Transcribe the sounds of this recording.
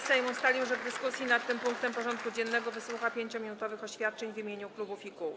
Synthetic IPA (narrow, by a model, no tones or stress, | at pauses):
sɛjmust̪alʲiwʐɛvd̪ɘskusʲjinat̪ːɘmpuŋk̚t̪ɛmpɔʐɔnt̪̚kud͡ʑɛnːɛɡɔvɘswuxapʲjeɲt͡ɕɔmʲinut̪ɔvɘxɔɕfʲjat̪̚t͡ʂɛɲvimʲjeɲuklubufiku